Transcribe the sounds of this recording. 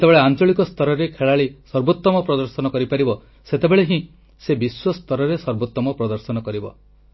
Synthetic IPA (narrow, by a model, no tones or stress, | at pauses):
t̪ebeɭeant͡ʃɔɭikɔst̪ʰɔɾɔɾekʰeɭaɭesɔɾbot̪ːɔmɔpɾɔd̪ɔɾsɔnɔkɔɾipaɾibɔ | set̪ebeɭeɦĩ | sebiswɔst̪ʰɔɾɔɾesɔɾbot̪ːɔmɔpɾɔd̪ɔɾsɔnɔkɔɾibɔ̰